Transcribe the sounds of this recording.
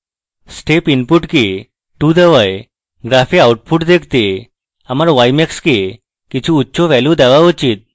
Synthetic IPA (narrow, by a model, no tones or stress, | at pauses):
sʈepinpuʈki | ʈud̪əʋaj | ɡɾafiauʈpʰuʈd̪ekʰt̪e | amaɾʋajmɛkske | kit͡ɕʰĩutːɕɔʋɛlũd̪aʋaʋɔt͡ɕiːt̪̚